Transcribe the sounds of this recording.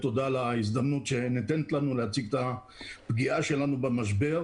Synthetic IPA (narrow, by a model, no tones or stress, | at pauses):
t̪o̞d̪alais̬d̪amnut̪ʃenet̪enet̪lanulehat͡siɡt̪a | pɡiʔaʃe̞lanubemaʃ̬be̞ʁ